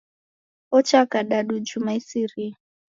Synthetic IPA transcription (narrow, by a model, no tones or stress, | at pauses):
ɔt͡ʃakaɗaɗud͡ʒumaisiri